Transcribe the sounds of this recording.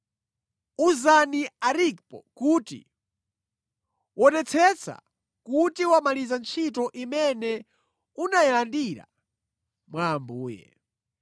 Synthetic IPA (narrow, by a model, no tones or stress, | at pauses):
uzaniaɾik̚pɔ̰kuːtḭ | wɔnɛt͡sʰɛt͡sʰa̰ | kutiwamalizant͡ʃʰitɔʔimɛnɛ | unajɛlandiɾa̰ | mwaːmbuːjɛ̰